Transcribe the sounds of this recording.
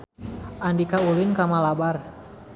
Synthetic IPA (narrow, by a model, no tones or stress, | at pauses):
ʔandikaulɪnkamalabar